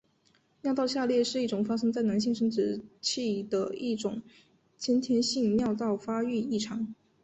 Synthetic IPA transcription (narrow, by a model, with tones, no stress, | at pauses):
mjʊt̪ɑ˥˧ʊɕja˥˧ljɛ˥˧ʂɻ̩˥˧i˥˩ʈ͡ʂʊ˨˩ŋfa˥ʂɤ˥ŋt͡sa˥˩ɪna˧˥nɕi˥˩ŋʂɤ˥ŋʈ͡ʂɻ̩˧˥t͡ɕʰi˥˩d̪ə˩i˥˩ʈ͡ʂʊ̰˨˩˦ŋ | t͡ɕʰjɛ˥nt̪ʰjɛ˥nɕi˥˧ŋnjɑ˥˧ʊt̪ɑ˥˩ʊfa˥y˥˧i˥˩ʈ͡ʂʰɑ˧˥ŋ